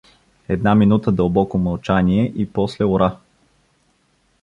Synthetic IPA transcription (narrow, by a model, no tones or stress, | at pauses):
ɛd̪naminut̪əd̪əlˠbɔkomɐlˠt͡ʃaniɛʔipɔslɛoɾa